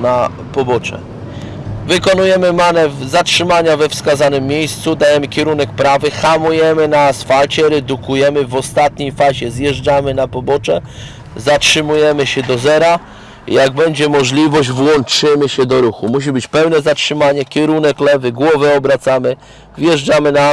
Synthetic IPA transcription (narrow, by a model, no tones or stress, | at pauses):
na | pɔbɔt͡ʂɛ̰ | vɘkɔnujɛmɘmanɛvzatʂɘmaɲavɛfskazanɘmːʲjejst̪sud̪ajɛmɘkʲjɛɾunɛk̚pɾavɘxamujɛmɘnaːsfalt͡ɕɛɾɛd̪ukujɛmɘvɔst̪at̪ɲejfaʑɛzjɛʐd͡ʐamɘnapɔbɔt͡ʂɛ | zatʂɘmujɛmɘɕɛd̪ɔzɛɾa | jaɡ̚bɛɲd͡ʑɛmɔʐlʲivɔʑd͡ʑvwɔnt͡ʂɘmɘɕɛd̪ɔɾuxumuɕ̬ibɘt͡ɕpɛwnɛzatʂɘmaɲɛkʲɛɾunɛklɛvɘɡwɔvɛɔbɾat̪samɘ | vjɛʐd͡ʐamɘna